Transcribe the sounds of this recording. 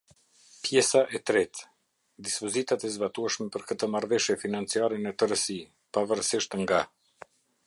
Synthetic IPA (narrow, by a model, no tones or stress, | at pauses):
pjɛsaʔɛt̪ɾɛt̪ | d̪ispɔzit̪at̪ɛzbat̪uɛʃmɛpəɾkət̪əmaɾvɛʃjɛfinant͡siaɾɛnət̪əɾəsi | pavəɾsiʃt̪ŋɡa